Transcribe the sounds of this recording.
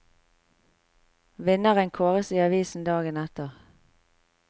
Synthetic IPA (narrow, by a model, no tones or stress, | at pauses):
ʋɪnəʁənkʰoːʁəsiːɑʋiːsn̩d̪ɑːɡənɛt̪əʁ